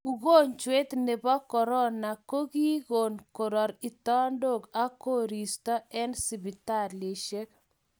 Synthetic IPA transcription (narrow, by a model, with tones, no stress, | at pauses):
u˨ɣo˦ɲt͡ʃwe˦t̪ne˨bɔ˦kɔ˨ɾɔ˦na˨ko˦ɡi˦ɣo˨nko˨ɾɔ˨ɾi˨t̪ɔ˦ndo˦˨ka˦ko˦ɾi˨stɔ˦ɛ˦nsi˨bi˨ta˦˨ɾle˨ʃe˦k